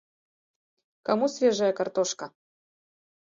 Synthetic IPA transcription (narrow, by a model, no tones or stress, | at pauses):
kɐmusvʲeʐajəkɐrt̪oʂkɐ